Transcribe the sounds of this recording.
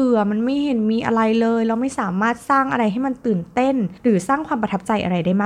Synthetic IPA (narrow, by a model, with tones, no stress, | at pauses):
ɯ˨˩ɐma˧nma˥˩jhe˩˦nmiː˧ʔa̰˧ɾa˧jlɤː˧jlɛ˦˥wma˥˩jsaː˩˦maː˥˩t̪̚saː˥˩ŋʔa̰˧ɾa˧jɦa˥˩jma˧nt̪ɯː˨˩nt̪e˥˩nɾɯː˩˦saː˥˩ŋkʰwaː˧mpɾa˧t̪ʰp̚t͡ɕa˧jʔa̰˧ɾa˧jdaː˥˩jmaː˥˩